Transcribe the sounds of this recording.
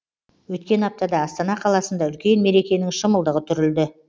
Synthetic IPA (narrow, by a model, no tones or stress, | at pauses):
wɵt̪kʲe̞nɑp̚t̪ɑd̪ɑːst̪ɑnɑqʰɑlˠɑsənd̪ɑʏlkʲe̞nme̞ɾe̞kʲe̞nɪŋʃəməlˠd̪əʁət̪ʰʏɾɪld̪ɪ